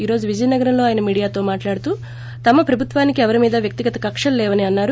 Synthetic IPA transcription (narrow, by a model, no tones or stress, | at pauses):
iːɾo̞ːd͡ʒuʋid͡ʒɐjnɐɡɐɾɐmlo̞ːaːjɐnɐmiːɽijaːt̪o̞ːmaːʈlaːɽut̪uː | t̪ɐmɐpɾɐbʱut̪ʋaːnikiɛʋɐɾimiːd̪ɐʋjɐk̚t̪iɡɐt̪ɐkɐkʂɐllɛːʋɐniɐnːaːɾu